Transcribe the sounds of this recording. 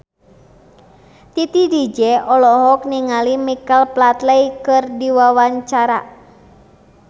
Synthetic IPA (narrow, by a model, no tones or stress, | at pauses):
t̪it̪idid͡ʒɛɔlɔɦɔk̚niŋalimikalplat̪lɛjkɨrdiwawaɲt͡ʃaɾa